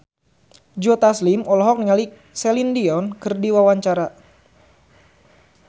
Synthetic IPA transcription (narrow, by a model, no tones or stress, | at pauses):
d͡ʒɔt̪aslimɔlɔɦɔk̚niŋali | sɛlindiɔnkɨrdiwawaɲt͡ʃaɾa